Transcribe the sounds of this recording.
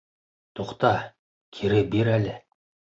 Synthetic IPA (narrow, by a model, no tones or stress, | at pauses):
t̪ʰoqt̪ɑ | kʲʰeɾɘbeɾælʲɘ